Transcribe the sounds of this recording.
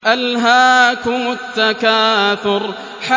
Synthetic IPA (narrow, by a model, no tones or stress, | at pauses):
ʔalɦaːkʊmʊt̪ːakaːθʊɾ | ħa